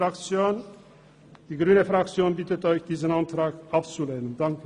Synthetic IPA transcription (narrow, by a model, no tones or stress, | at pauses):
akt͡sjoːn | d̥iːɡʁyːnəfʁ̥akt͡sjoːnbɪtətɔʏçd̥iːzənantʁ̥aːkʔapt͡suleːnəndaŋkə